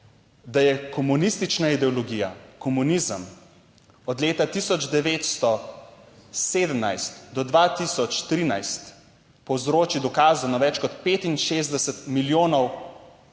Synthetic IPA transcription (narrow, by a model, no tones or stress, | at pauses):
d̪ajɛkɔmunist̪it͡ʃnaid̪ɛɔlɔɡijakɔmunizəm | ɔd̪leːt̪at̪isɔd͡ʒd̪ɛʋeːt̪st̪ɔ | seːd̪əmnajst̪d̪ɔd̪ʋat̪isɔt͡ʃt̪ɾinajst̪ | pɔwzɾoːt͡ʃid̪ɔkaːzunaʋɛt͡ʃkɔt̪peːt̪inʃeːzd̪ɛsɛt̪miljoːnɔw